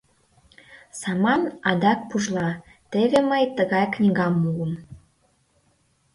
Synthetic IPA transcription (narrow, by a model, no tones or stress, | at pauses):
sɑmɑnɑd̪ɑk̚puʒlˠɑ | t̪əɣĕməjt̪əɣɑjknʲiɣɑmːuləm